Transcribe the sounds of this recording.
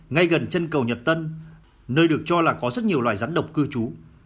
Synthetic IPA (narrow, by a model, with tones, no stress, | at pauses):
ŋa˧jɣə˨˩nt͡ɕə˧nkə˨˩wɲə˨˩t̚t̪ə˧n | nəː˧jɗɨ˨˩ək̚t͡ɕɔ˧laː˨˩kɔ˨˦zə˦˥t̚ɲi˨˩əwlwa̰ː˨jzaː˨˦nɗə˨˩wk͡p̚kɨ˧t͡ɕu˨˦